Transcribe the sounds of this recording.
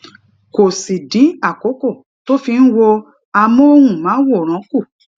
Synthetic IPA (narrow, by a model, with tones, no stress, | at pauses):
ko˨si˨dĩ˨˦a˦˨ko˨˦ko˦˨ | to˦fi˧n̩˦wo˧ | a˧mɔ̃˦o˦hũ˦˨mã˨˦wo˦˨ɾ̃ã˨˦ku˦˨